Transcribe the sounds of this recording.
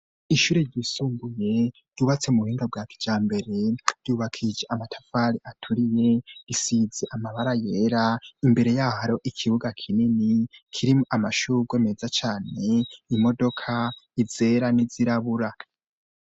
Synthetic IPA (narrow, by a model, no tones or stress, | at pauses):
iʃuːɾe̞ɾɟisuːŋɡuje̞ | duβat͡se̞muhiːŋɡab̚ɡaːkʰi̥d͡ʒaːmbe̞ɾe̞ɾ̥juːβakʰid͡ʒeʔamatʰḁfaɾiʔatʰuɾije̞isizeʔamaβaɾaje̞ːɾaimbe̞ɾe̞jaːhaɾo̞ʔikʰiβuɡakʰininikʰiɾimamaʃuɾuɡwe̞ːme̞zat͡ʃaːne̞imo̞do̞kʰaize̞ɾaniziɾaβuɾa